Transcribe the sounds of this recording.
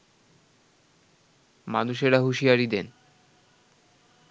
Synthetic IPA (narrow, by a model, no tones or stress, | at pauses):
ma̰nuʃeɾaɦuʃiaɾid̪en